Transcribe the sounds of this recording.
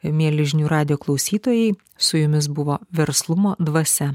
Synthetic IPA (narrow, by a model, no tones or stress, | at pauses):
mʲiɛlʲɪʒʲnʲuːɾɑːd̪ʲɪjoːklˠɒʊsʲiːt̪oːjɛɪ | sʊjʊmʲɪs̬bʊʋoːʋʲɛɾslˠʊmoːd̪ʋɐsʲɛ